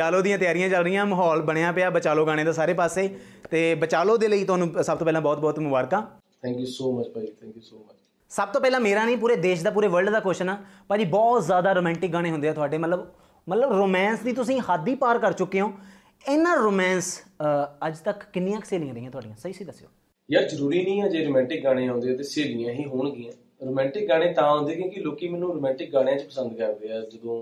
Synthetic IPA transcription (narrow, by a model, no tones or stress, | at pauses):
t͡ʃaːloːd̪ijãːt̪ɪjaːɾɪjãːt͡ʃəlɾəijãːməɦɔːlbəɽ̃ejãːpɪaːbət͡ʃaːloːɡaːɽ̃eːd̪aːsaːɾeːpaːseːt̪eːbət͡ʃaːloːd̪eːləiːt̪ʊaːnũːsəbt̪oːpɛːlãːbɔːt̪̚bɔːt̪mʊbaːɾkaː | t̪ʰɛ̃ːŋkjusoːmət͡ʃ̪ʰɛkuo | səb̚t̪õːpɛːlãːmeːɾãːniːpuːɾeːd̪eːʃd̪aːpuːɾeːʋəɾɖd̪aːkoːʃnaːpãd͡ʒiːbɔːt̪zjaːd̪aːɾoːmɛ̃ːɳʈɪk̚ɡaːɽeːɦʊnd̪eːɛːt̪ʰʊaːɖeːmət̪ləb | mət̪ləbɾoːmɛːnsd̪iːt̪ʊsĩːhaːd̪iːpaːɾkəɾt͡ʃʊkːeːõː | eːnːãːɾoːmɛːns | əd͡ʒt̪əkːɪnːɪjãːkseːl̃ːãːɾeiːãt̪ʊaːɖijãːsəiːsiːd̪əsːo̰ː | jaːzəɾuːɾiːnĩːɛːd͡ʒeːɾoːmɛ̃ːɳʈɪk̚ɡaːɽ̃eːɦõːnd̪eːt̪eːseːlnĩjãːɦiːɦʊːɳɡɪãː | ɾoːmɛ̃ːɳʈɪk̚ɡaːɽ̃ẽːt̪ãːɦõːnd̪eːkjõːkɪloːkiːmɛ̃ːnːũːɾoːmɛ̃ːɳʈɪk̚ɡaːɽ̃jãːt͡ʃpəsə̃nd̪kəɾd̪eːɛːd͡ʒəd̪õː